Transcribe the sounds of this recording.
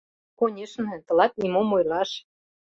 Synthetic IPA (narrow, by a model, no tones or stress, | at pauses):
konʲeʃnɤ̆t̪ɤ̆lɑt̪nʲimomojlɑʃ